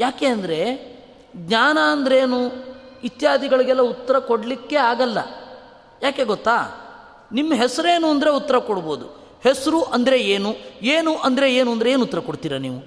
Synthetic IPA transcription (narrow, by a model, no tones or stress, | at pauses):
jaːke̞ːɐnd̪ɐɾe̞ | ɡɲaːnɐːnd̪ɐɾe̞ːnuit̪jaːd̪ʱiɡɐɭiɡɛlːɐut̪ːɐɾɐkoɽɐlikːe̞aːɡɐlːɐ̰ | jaːke̞ɡɔt̪ːaː | nimːɐɦɛsɐɾe̞ːnuɐnd̪ɐɾe̞ut̪ːɐɾɐkoɽɐboːd̪u | hesɐɾuʔɐnd̪ɐɾeeːnueːnuʔɐnd̪ɐɾe̞eːnuɐnd̪ɾeeːnut̪ːɐɾɐkoɽt̪iːɾɐniːʋu